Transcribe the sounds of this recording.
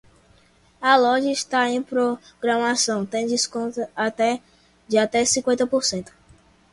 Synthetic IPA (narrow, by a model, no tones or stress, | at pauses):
ɐlɔʒɐiʃt̪aẽj̃pɾo | ɡɾɐ̃masɐ̃w̃t̪ẽj̃d͡ʒɪskõnt̪ɐat̪ɛ | d͡ʒɪat̪ɛsĩkwẽnt̪ɐpoɾsẽnt̪ʊ̥